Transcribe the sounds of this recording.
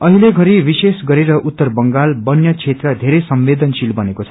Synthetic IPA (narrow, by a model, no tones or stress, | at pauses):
ʌɦileɡʱʌɾibisesɡʌɾeɾʌʔut̪ːʌrbʌŋɡalbʌnjʌt͡sʰet̪rʌd̪ʱeɾʌsʌmʋed̪ʌnsilbʌnekot͡sʰʌ